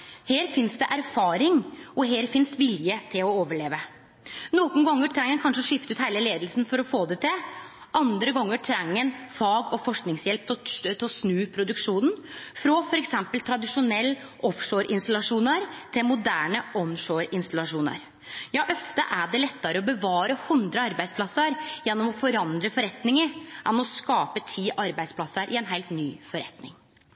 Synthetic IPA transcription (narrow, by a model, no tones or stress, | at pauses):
heːɾfɪnsd̪ɛʔæɾfɑːɾɪŋɔɦeːɾfɪnsʋɪljət̪ʰɪlɔoːʋəɭeːʋə | nɔːɡʊnɡɑŋːəʈʰɾɛŋːənkʰɑnʂəʂɪft̪ʉːt̪hæɪləleːd̪lsn̩fɔɾɔfoːd̪ɛt̪ʰɪ | ʔɑnd̪ɾəɡɔŋːəʈʰɾɛŋːənfɑːɡɔfɔʂknɪŋsjɛlp̚t̪t̪ʰɪsnʉːpʰɾʊd̪ʉkʂuːnfɾɔfɔɾɛksɛmpəlt̪ʰɾɑd̪ɪʂʊnɛlː | ʔɔfʂoːɾʔɪnst̪ɑlɑʂuːnəɾt̪ʰɪlmʊd̪æːɳəʔɔnʂoːɾɪnst̪ɑlɑʂuːnə̰ɾ | jɑːʔœft̪ə̰ʔæɖɛlɛt̪ːɑɾəɔbəʋɑːɾəhʉnd̪ɾəɑɾbæɪd̪splɑsːəɾjɛnːɔmɔfɔɾɑnd̪ɾəfɔɾɛt̪nɪŋəʔɛnɔskɑːpət̪ʰiːʔɑɾbæɪsplɑsəɾʔɪɛnɦæɪlt̪nyːfɔɾɛ̰t̪nɪ̰ŋ